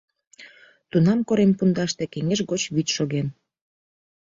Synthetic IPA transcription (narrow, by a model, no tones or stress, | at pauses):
t̪unɑmkoɾempund̪ɑʃt̪ekeŋeʒɣot͡ɕβyt̪ʃoɣen